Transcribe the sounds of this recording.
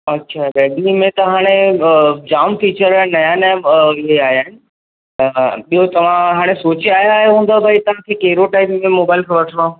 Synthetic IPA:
ɐtːɕʰabɛːɖnimẽt̪ɐɦaːɽ̃e | d͡ʑaːmfit͡ɕəɾanɐjaːnɪɦeaːɦjaːɦɪnɪ̆ | ɓiɦot̪ɐʋ̤ãɦaːɽ̃esoːt͡ɕiaːɦjaɦeɦũːnd̪abʱaːit̪ɐʋ̤ãkʰeːkeɦɪɾoʈaːɪpmẽmoːbaːɪlkʰẽʋɐʈʰəʋãːũ

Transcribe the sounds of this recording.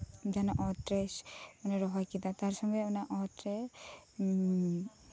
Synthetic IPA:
d͡ʒanɔʔɔtɾesmaneɾɔɦɔjkit̪at̪aɾsɔŋɡɔɔnaʔɔtɾe

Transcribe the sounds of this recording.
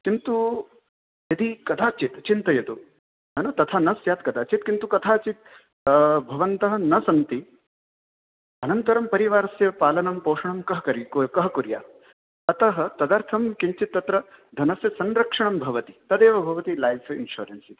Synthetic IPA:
kint̪u | jɐd̪ʱikɐd̪ʰʱaːt͡ʃit̪t͡ʃint̪ɐjɐd̪u | ɦɐnɐt̪ɐt̪ʰanɐsjaːt̪kɐd̪aːt͡ʃit̪̚kint̪ukɐt̪ʰaːt͡ʃit̪̚ | bʱɐʋɐnt̪ɐɦɐ̆nɐsɐnt̪i | ɐnɐnt̪ɐɾɐmpɐɾiʋaːɾɐsjɐpaːlɐnɐmpoːʂɐɳɐmkɐɦɐɐɾkɐɦɐkuɾja̰ː | ɐt̪ɐɦɐ̆t̪ɐd̪ɐɾt̪ʰɐmkiɲt͡ʃit̪ːɐt̪ɾɐd̪ʱɐnɐsjɐsɐnɾɐkʂɐɳɐmbʱɐʋɐt̪i̥t̪ɐd̪eːʋɐbʱɐʋɐt̪ilajsinʃṵːɾɐnsit̪i̥

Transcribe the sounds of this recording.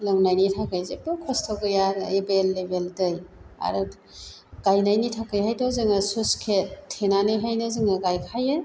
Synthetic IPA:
lawnajnitʰakajzebɯkʰɔstʰowɡɯjaɾebelːebeldɯja̰ɾ | ɡ̥ajnajnitʰakajɦajtʰawzɯŋɐsuskʰettʰːenaneɦajnɐzɯŋɐɡajkʰajɯ

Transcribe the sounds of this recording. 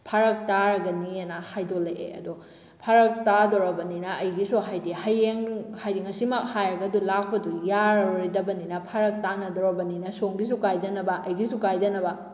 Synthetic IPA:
pʰaɾɐk̚taɾɐɡɐnienahajdoleḛɐ̰du | pʰaɾɐk̚tadɔɾɐbɐninɐʔɐjɡisuɦajdihajeŋhajdiŋɐsimak̚hajɾɐɡɐdulak̚ʰpɐdujaɾɾidɐbɐninɐpʰaɾɐk̚tanɐdɔɾobɐninɐsoŋbis̬ukajdɐnɐbɐʔɐjɡisukajdɐnɐbɐ

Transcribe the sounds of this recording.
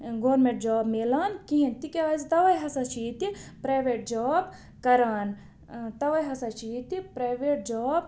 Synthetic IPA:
ɡoːɾmẽɳʈ̚d͡ʒaːbmelaːnkiɦĩnt̪ikeaːzt̪ɐʋɐjɦɐsɐt͡ʃʰiːt̪ipɾaːʋeːʈ̚d͡ʒaːb | kɐɾaːn | t̪ɐʋɐjɦɐsɐt͡ʃʰiːt̪ipɾaːjʋeːʈ̚d͡ʒaːb

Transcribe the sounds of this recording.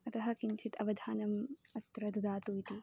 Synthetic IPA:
ɐt̪ɐɦɐkint͡ʃʰit̪ɐʋɐd̪ʱaːnɐmɐt̪ɾɐd̪ud̪aːt̪uːjt̪i

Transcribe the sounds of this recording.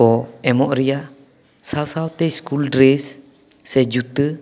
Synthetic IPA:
ɔemɔʔɾia | sasawt̪eskuldɾesː | ɛd͡ʒut̪ə

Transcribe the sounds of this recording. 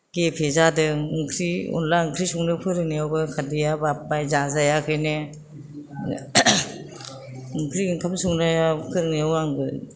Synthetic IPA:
ɡ̥epʰezadɯŋkʰɾiɔ̰nlaɯŋkʰɾisuŋnɯpʰɯɾɯnijawbɯkʰadijabap̚ːajzazajakʰɯjne | ŋkʰɾiŋkʰamsuŋnajakʰɯɾɯniawaŋɡɯ

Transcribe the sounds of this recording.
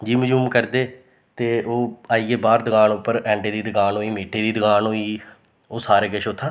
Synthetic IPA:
d͡ʒiːməd͡ʒumkəɾd̪eː | t̪eːoːaːiːeːbaːɾd̪əɡaːnʊpːəɾɛ̃ːɳɖeːd̪iːd̪əɡaːnoːiːmiːʈʰeːd̪iːd̪əɡaːnoːiː | oːsaːɾeːkɪʃʊt̪ʰːãː

